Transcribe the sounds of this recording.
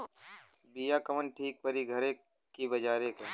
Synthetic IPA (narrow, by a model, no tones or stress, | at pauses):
biːjaːkəʋənʈʰiːk̚pəɾiɡʱəɾeː | kibəd͡ʒaːɾeːkoː